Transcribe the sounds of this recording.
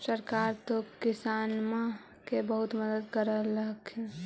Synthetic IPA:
səɾkaɾt̪okisanma | kebəɦut̪məd̪əd̪kəɾələɦkʰ

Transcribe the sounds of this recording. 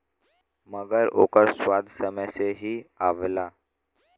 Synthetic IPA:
məɡəɾo̰kəɾsʋad̪ʱsəməseɦiːaʋla

